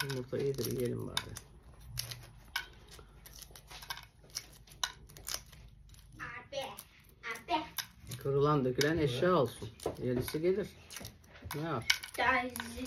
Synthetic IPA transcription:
muɾt̪ʰaʔijid̪iɾḭjelʲḭmba̰d̪ɯ̰ | abɛ | abɛkʰɯɾɯlˠand̪økʰʲilʲænɛʃjaːolˠsunjelʲisiɟelʲiɾ̥ | nɛaɾd̪̥az

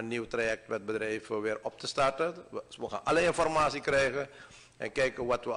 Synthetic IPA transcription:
ənːiwtrajɛk̚tʋɛt̚bədrɛjvəʋɪːrɔp̚təstartəʋəxa̰ːnʔɑləɪnfɔrmaːsikrɛjɣə | ɛ̰nkɛjkənʋɑtʋə

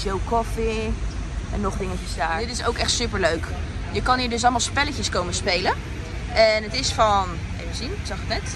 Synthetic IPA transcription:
ʃewkɔfi | ʔɛnːɔχdɪŋəcəsdaːɹdɪtɪsowkɛχtsypəɹløɥk | jəkɑniːɹdɵs̬ɑlˠmalˠspɛləcəskowməspejlə | ɛnətɪsfɑn | ḛjvənzinsɑχətnɛt

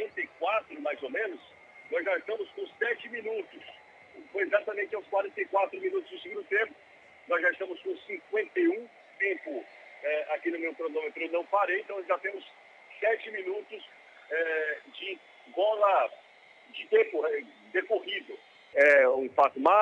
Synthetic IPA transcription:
ɾẽt̪ejkwat̪ɾʊmajzomẽnʊs | nɔzʒaɪst̪ɐ̃mʊskõsɛt͡ʃɪmĩnut̪ʊs | fojezat̪ɐmẽnt͡ʃɪãw̃skwaɾẽnt̪ejkwat̪ɾʊmĩnut̪ʊzd̪ʊsɪɡũd̪ʊt̪ẽpʊ̥ | nɔzʒaɪst̪ɐ̃mʊskõsĩŋkwẽnt̪ejũ | t̪ẽpʊ | ɛakinʊmewpɾonõmet̪ɾʊewnɐ̃w̃paɾejẽt̪ɐ̃ʒat̪ẽmʊs | sɛt͡ʃɪmĩnut̪ʊs | ɛd͡ʒɪ | ɡɔlɐ | d͡ʒɪt̪ẽpʊɛ | d̪ekohivʊ | ɛũfat̪ʊma

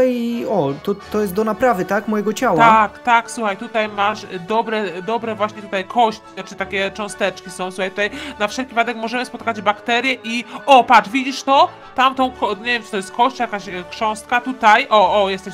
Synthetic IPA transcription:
iɔt̪ɔt̪ːɔjɛst̪d̪ɔnapɾavɘt̪akmɔjɛɡɔt͡ɕawat̪akt̪akswuxajt̪ut̪ajmaʂd̪ɔbɾɛd̪ɔbɾɛvwaɕɲɛt̪ut̪ajkʰɔɕt͡ɕt͡ʃɘt̪akʲɛt͡ʂɔ̃w̃st̪ɛt͡ʂkʲisɔ̃w̃suxajt̪ut̪ajnafʂɛlkʲivad̪ɛkmɔʐɛmɘspɔt̪̚kad͡ʑbakt̪ɛɾʲjɛʔiʔɔpat͡ʂvʲid͡ʑiʂt̪ɔ | t̪amt̪ɔ̃w̃kɔɲevʲjɛmt͡sɨt̪ɔjɛst̪̚kʰɔɕt͡ɕjakaɕkʂɔ̃w̃st̪̚kat̪ut̪ajʔɔʔɔjɛst̪ɛɕ

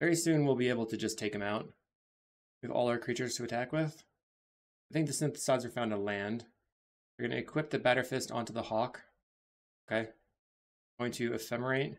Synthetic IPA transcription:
vɛɹisʉ̃nwilˠbieɪbl̩ˠtʰɨd͡ʒʌstʰeɪkɨ̃maʊt̚ | ɨðɔ̰lˠaə˞kʰɹ̥it͡ʃə˞z̥tʰɨɨtʰækwɪð̥ | aɪθɪ̃ŋk̚ðɨsɪ̃nθə̥saɪdzə˞fãʊ̃ndə̃nlæ̃nd̥ | ðə˞ɡʌñʔɨ̰ɨkʰw̥ɪp̚ðɨbæɾə˞fɪstɑ̰̃ntʉðəhɑk | oʊkʰeɪ | ɡoʊɪ̃ŋtʰɨɨfɛmə˞eɪt̚

